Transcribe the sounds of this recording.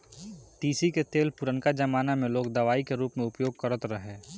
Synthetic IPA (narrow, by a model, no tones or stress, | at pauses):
t̪iːsiket̪eːlpʊɾənkad͡ʒɐmaːnamẽloːk̚d̪ɐʋaːikeɾuːpmẽʊpjoːɡ̚kɐɾət̪ɾəɦeː